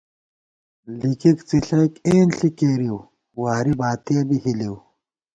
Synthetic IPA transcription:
likikt͡siɬɐkeːnɬikeːɾiw | waːɾibaːt̪iɐbihiliw

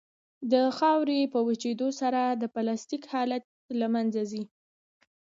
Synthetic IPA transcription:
d̪əxɑwɾepəwət͡ʃed̪osaɾad̪əpalɑst̪ikhɑlat̪̚lamanzazi

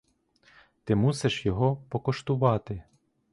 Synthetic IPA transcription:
t̪ɪmuseʃjɔɦɔpɔkɔʃt̪ʊʋɑt̪ɪ

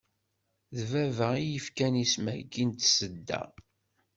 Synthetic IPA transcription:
ðvævəijəfkænismæ̰ɡint̪səd̪ːæ̰

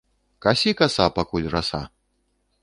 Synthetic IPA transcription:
kasʲikasapakulʲʐasa̰

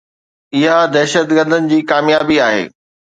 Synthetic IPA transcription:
ɪɦad̪ɛːʃət̪ɡəɾd̪ənɪ̆d͡ʑiːkaːmjaːbiaːɦḛː

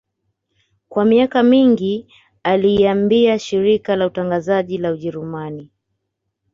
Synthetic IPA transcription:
kwamiakamiŋɡi | aliːambiaʃiɾikalautaŋɡazaʄilauʄɛɾumani

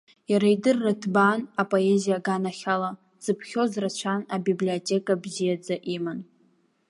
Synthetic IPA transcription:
jaɾaidɨrːatʰbanapʼo̞e̞zijaɡanaχʲala | z̥ɨpʰχʲo̞zrat͡ʃʷʰanabiblio̞tʲʼe̞kʼabzijad͡zaʔiman

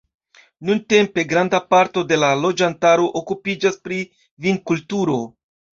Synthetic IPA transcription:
nunte̞mpe̞ɡɾandapaɾto̞de̞lalo̞d͡ʒantaɾo̞ʔokupid͡ʒaspɾi | vinkultuɾo̞

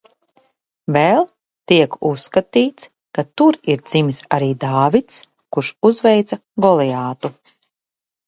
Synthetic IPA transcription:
vɛlˠ | t̪iɛkusːkat̪iːt̪s | kat̪uɾiɾd̪z̥imisaɾiːd̪aːvit̪s | kuɾʃuzvɛjt̪sa | ɡɔlˠɛjaːt̪u

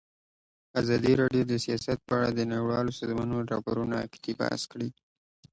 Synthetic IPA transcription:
azɑd̪iɾɑɖjod̪əsijɑsat̪̚pəaɽad̪ənaɽiwɑlosɑzmɑnoɾɑ̰poɾunaa̰kt̪iba̰skɽi

